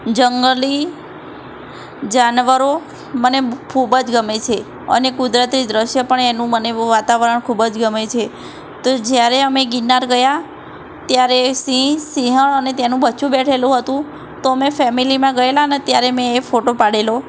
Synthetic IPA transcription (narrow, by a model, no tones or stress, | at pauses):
d͡ʒəŋɡəli | d͡ʒanʋəɾo | mənekʰubəd͡ʒɡəmet͡ʃʰe | ə̰nekud̪ɾət̪id̪ɾəʃjəpəɳenũməneʋat̪aʋəɾəɳkʰubəd͡ʒɡəmet͡ʃʰe | t̪od͡ʒjaɾeəmeɡinːaɾɡəja | t̪jaɾesĩsiɦəɳənet̪enũbəːt͡ʃʰũbɛʈʰelũɦət̪ũ | t̪oəmefɛmilimãɡəelanet̪jaɾemɛ̃ːfoʈopaɽelo